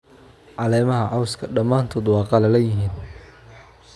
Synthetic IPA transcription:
ʕɑlɛːmɐɦɐʕɑwskʰɐɖɐmaːnt̪ʰɔːd̪wɑːqɑlɐlɐjɪɦiːn

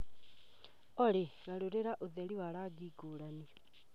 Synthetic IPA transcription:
ɔɾeɣaɾoɾeɾaʔoðɛɾiwaɾaːɡiːɡoːɾani

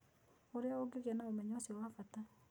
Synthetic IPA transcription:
oɾeaoɡeɣɛnaomɛɲɔsiwafata

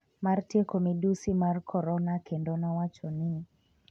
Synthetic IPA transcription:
martekomidusimarkʰɔɾɔnakendɔnawat͡ʃɔnɪ

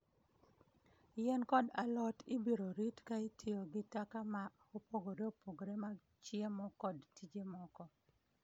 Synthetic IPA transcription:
ɪjɛnkɔdalɔtɪbiɾoɾitkaitʰioɡɪtakama | opoɡoɾeopoɡoɾema | t͡ʃjemɔkɔdtid͡ʒemɔkɔ

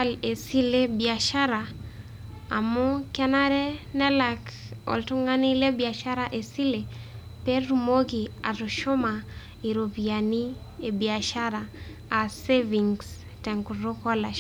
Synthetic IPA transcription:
alesilebiaʃaɾa | a̰mukanaɾɛnɛlak | ɔ̰ltuŋɡanilɛbiaʃaɾaʔesile | peɾumokia̰tuʃoma | iɾopiani | ebiaʃaɾaː | seviŋs | tɛŋkuɾokɔlaʃ

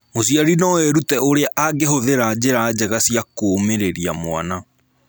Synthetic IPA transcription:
mosiaɾinɔwɛɾutɛoɾeaʔaɡeɦoðeɾad͡ʑeɾad͡ʑɛɣasiakoːmeɾeɾia̰mwa̰na

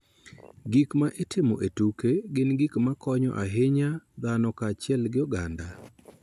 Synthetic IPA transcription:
ɡikmaʔetʰɪmɔ̰ʔetukeɡɪnɡikmakɔɲɔ̰ʔaɦɪɲad̪anɔkaːt͡ʃɪɛlɡɪɔɡanda

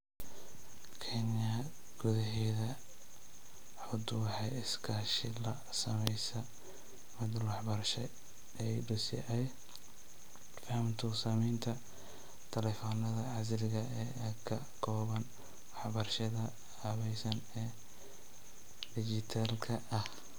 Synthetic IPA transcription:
kʰɛnjɐ | ɡ̥ʊðɐɦɛːðɐ | ħʊd̪wɑħɑjɪskʰaːʃɪlɐ | sɐmɛjsɐ | mɪd̪lwɑħbɐrʃɛ | ɛjɖʊsɪ̰ʔɐj | fɐhɐmt̪ʰʊsɐmɛjnt̪ʰɐ | t̪ʰɐlɛfɔːnɐðɐʕɑs̬lɪɣɐɛː | kʰɐ | kʰɔːβɐn | wɑħbɐrʃɐðɐ | aːβɛjsɐn | ɛː | ɖɪd͡ʒɪt̪ʰalkʰɐʔɐh

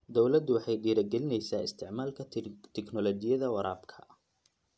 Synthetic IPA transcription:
d̪ɔwlɐd̪ʊwɑħɑjɖiːɾɐɡɛlɪnɛjsaːɪ̰st̪ʰɪʕmaːlkʰɐt̪ʰɛknɔlɔt͡ʃɪjɐðɐwɑɾaːbkʰɐ̥

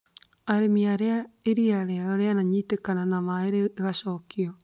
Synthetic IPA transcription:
aɾemiaɾeaeɾiaɾɛaɾɔɾeanaɲitekananamaeɾeːɣaʃɔkiɔ

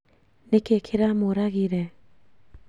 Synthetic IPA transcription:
nekekʰeɾamoɾaɣiɾe

